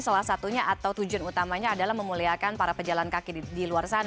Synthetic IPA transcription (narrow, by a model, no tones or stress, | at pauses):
salahsat̪uɲaʔat̪awt̪ud͡ʒuanut̪amaɲaːdalahməmuliakanpaɾapəd͡ʒalankakidiluarsana